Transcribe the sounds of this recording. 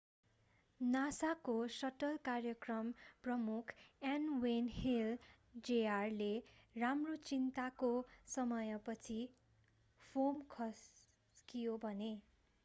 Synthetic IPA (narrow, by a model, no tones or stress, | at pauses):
nasakosʌʈʌlkarjʌkrʌmprʌmukʰanwenhil | d͡zearleramrot͡sint̪akosʌmʌjʌpʌt͡sʰi | pʰomkʰʌs | kijobʱʌne